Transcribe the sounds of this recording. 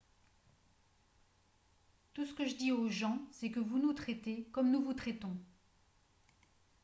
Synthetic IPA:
t̪usə̥kəʒəd̪ioʒɑ̃sɛkəvunut̪χɛt̪ekɔmnuvut̪χɛt̪ɔ̃

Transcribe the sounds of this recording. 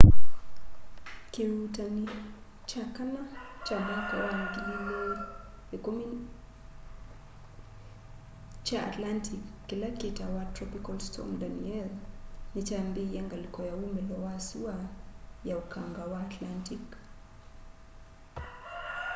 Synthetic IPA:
keutani | t͡ʃakanat͡ʃamakawankilile | ekɔmi | t͡ʃaa̰tlantʰikːilakɛtawatɾɔpikalstʰɔ̰mdaniɛlnit͡ʃambijaŋɡalikɔjaumbɛlɔwasiwajaukʰaŋɡawaːtlantik

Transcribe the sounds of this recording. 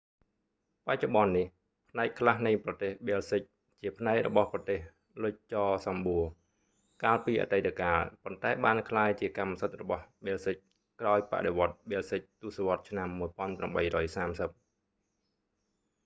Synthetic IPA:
pac̚t͡ɕoɓɑnːih | pʰnaɛk̚kʰlahnɨjprɑt̪eːhɓeːlsɨc̚ | t͡ɕiəpʰnaɛk̚rɔ̰ɓɑhprɑt̪eːh | lʊc̚t͡ɕɑːsɑmɓuə | kaːlpiːʔa̰t̪ət̪ʰakaːlpont̪aɛɓaːnkʰlaːjt͡ɕiəkamːsət̪̚rɔɓɑhɓeːlsɨc̚ | kraɔjpa̰ʔɗeʋŏət̪̚ɓeːlsɨc̚t̪uəsoʋŏət̪̚t͡ɕʰnamːuəjpŏənpramɓəjrɔːjsaːmsəp̚

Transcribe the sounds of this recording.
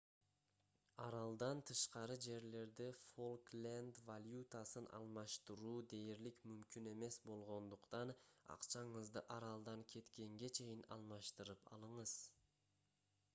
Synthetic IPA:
ɑɾɑlˠd̪ɑnt̪ʰɯʃqɑɾɯd͡ʒe̞ɾle̞ɾd̪ifolklʲand̪valʲjut̪asɯnʔɑ̰lˠmɑʃt̪ɯɾuːd̪e̞jɾlikmymkʲyne̞me̞sbo̞lˠʁo̞nd̪uqt̪ɑnɑ̰qt͡ʃɑɴɯzd̪ɯʔɑɾɑlˠd̪ɑŋkʰe̞t̪kʲe̞ŋɡe̞t͡ʃʰe̞jinɑ̰lˠmɑʃt̪ɯɾɯpɑ̰lˠɯɴɯz̥

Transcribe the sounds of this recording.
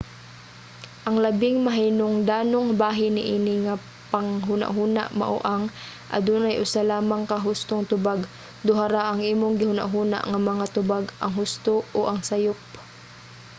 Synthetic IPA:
ʔɐŋlɐbɪŋmɐɦinoŋd̪aːnoŋbaːɦɪnɪʔiːnɪŋa | paŋɦʊna̰ʔɦuːna̰ʔma̰ʔʊ̰ʔaŋ | ʔɐ̰d̪uːnajʔʊsalaːmaŋkaɦʊst̪oŋt̪ʊbaɡ | d̪ʊɦaɾaʔɐŋʔiːmoŋɡɪhʊna̰ʔɦuːna̰ʔŋamɐŋat̪ʊbaɡʔɐŋɦʊst̪ooʔɐŋsajʊp̚

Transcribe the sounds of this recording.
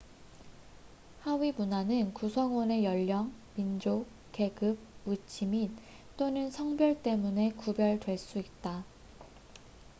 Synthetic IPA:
hawimunanɯnkusʰʌŋwʌne̞jʌʎːʌŋmind͡ʑo | ke̞ɡɯb̚ut͡ɕʰimit | t͈onɯnsʰʌŋbjʌɭt͈e̞mune̞kubjʌɭdwe̞ɭs͈uit̚t͈a

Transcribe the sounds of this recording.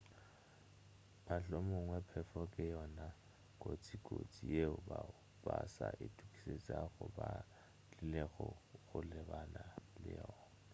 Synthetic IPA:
pʰaɬɔmʊŋwɛpʰɛfɔkʼɪjɔna | kʼot͡sʼikʼo̰t͡sʼijeʊbaʊ | basaʔɪtʼukʼi̥set͡sʼaɣʊba | lɪleɣɔɣʊlɪbanalɪ̰jɔːnna

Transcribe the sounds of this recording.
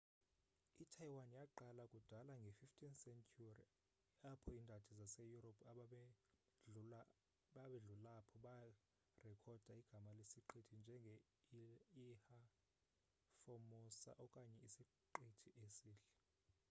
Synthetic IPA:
itʰajiwanjaǃalakʼud̥ʱalaŋɡʱefiftʰinsɛntʰʼurḭ | apʰɔindʱatʰizasejuɾopʰaɓ | ɓaɓɛɮulapʰɔ | rɛkʰɔd̥ʱaiɡ̥ʱamalesiǃetʰind͡ʒʱɛŋɡʱe | iha | fomɔsa̰ʔɔkʼaɲɛisi | ǃetʰiʔesiːɬɛ

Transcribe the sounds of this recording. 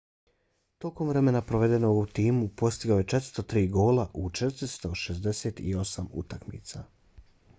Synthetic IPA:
t̪oko̞mʋɾe̞me̞napɾoʋe̞d̪e̞noɡut̪iːmupo̞st̪iɡajet͡ʃet̪ɾst̪ot̪ɾiːɡo̞ːlaʔut͡ʃet̪ɾist̪o̞ʃezd̪eset̪ḭo̞samṵt̪akmḭːt̪sa

